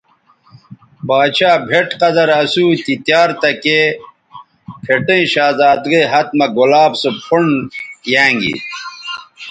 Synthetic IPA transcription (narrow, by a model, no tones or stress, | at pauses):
baːɕaːbʱeʈqɐzɐɾɐsuːt̪it̪jaːɾt̪ɐke | pʰeʈɐ̃ĩɕaːzaːd̪ɡeɦɐt̪̚mɐɡulaːbsopʰuɳjãːŋɡḭ